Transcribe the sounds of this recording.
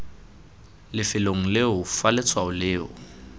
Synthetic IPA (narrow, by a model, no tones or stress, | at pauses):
lɪfɪloŋ̩lɪɦʊfalɛt͡sʰwaʊlɪːɦʊ̰